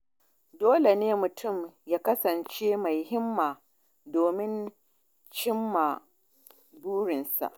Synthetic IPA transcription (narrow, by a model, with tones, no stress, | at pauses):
doː˦le˨neː˦mʊ˨tʰʊ˦˨mjaː˦kɐ˦sɐ˨nt͡ʃeː˦ma˨jɦɪ˦mːaː˨ | doː˨mɪ˦n | t͡ʃɪ˦mːa˨ | buː˦ɽɪ˨nsa̰˨ʔ